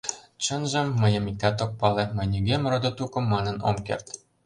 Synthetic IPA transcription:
t͡ɕə̆nʒĕmːə̆jɤ̆mik̚t̪æt̪ok̚pɑlemə̆jnʲiɡʲemrod̪ot̪ukɤ̆mːɑnɤ̆no̰mkḛrt̪

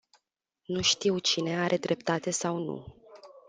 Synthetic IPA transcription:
nuʃt̪iwt͡ʃine̞aɾʔe̞d̪ɾʔe̞p̚t̪at̪e̞sawnṵ

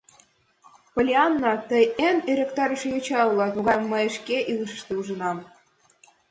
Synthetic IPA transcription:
polʲeɑnːɑt̪əjeneɾʲekt̪ɑɾəʃejot͡ɕɑulˠɑt̪oɣɑmːəjəʃkeʔilˠəʃə̥̆ʃt̪euʒə̆nɑm

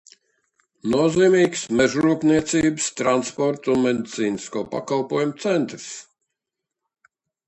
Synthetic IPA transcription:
nuɔziːmiːksmɛʒɾuːkniɛt̪siːbɨst̪ɾanspɔɾt̪unmɛd̪it̪siːniskoɔpa̰kalˠpuɔjumut̪sɛnt̪ɾs

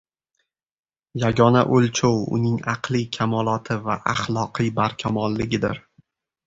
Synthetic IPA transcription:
jaɡʲɒna̰ʔolt͡ʃʰowʊ̰nɪŋɑqlˠikʲʰamɒlˠɒt̪ʰɪvaʔaχlˠɒqʰɨjbaɾkʲʰamɒlːɪɡʲɪd̪ɪ̰ɾ

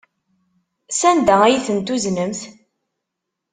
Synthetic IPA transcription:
sænd̪ææjiθənt̪uznəmθ

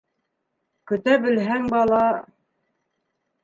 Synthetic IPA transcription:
kɵ̆t̪æbɘ̆lɦæŋbɑlˠɑ

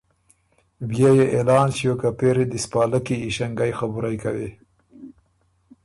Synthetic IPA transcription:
bjajeʔelɑːnʃijokapeɾed̪ispɑːləkiːʃaŋɡajxabuɾajkawe

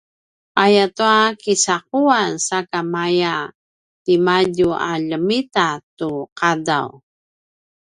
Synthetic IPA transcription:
ʔajatuakisaquansakamaja | timaɟuʔa̰ʎəmitatuqada̰w

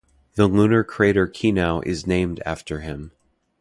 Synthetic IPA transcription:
ðəlũnə˞kʰɹ̥eɪɾə˞kʰinaʊʔɪ̰znẽɪ̃mdæ̰ftə˞ɪ̃m

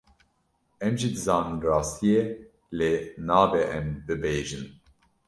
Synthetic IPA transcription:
ɛmʒid̪ɨzɑːnɨnrɑːst̪ije | leːnaːbɛʔɛmbɨbeːʒɨn

